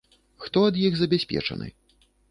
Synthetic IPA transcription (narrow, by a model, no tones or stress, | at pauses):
xt̪ɔɐd̪jiɣzɐbʲasʲpʲɛ̰t͡ʂɐ̰nʔɨ̰